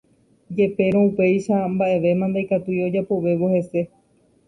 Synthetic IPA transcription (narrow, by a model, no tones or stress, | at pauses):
d͡ʒe̞pe̞ɾ̃õupe̞jʃambaʔe̞ʋe̞mãnd̪ajkat̪ujo̞d͡ʒapo̞ʋe̞ʋohe̞se̞